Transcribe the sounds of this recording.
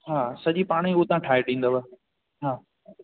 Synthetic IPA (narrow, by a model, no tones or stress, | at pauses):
ɦaːsɐʄipaːɽ̃iʊɦt̪ãːʈʰaːeʈʰĩːnd̪əʋə | ɦaː